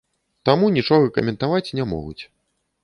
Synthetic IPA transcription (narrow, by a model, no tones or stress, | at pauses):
t̪amunʲit͡ʂɔɣɐkɐ̰mʲɛnt̪avat͡sʲnʲɛmɔ̰ɣut͡sʲ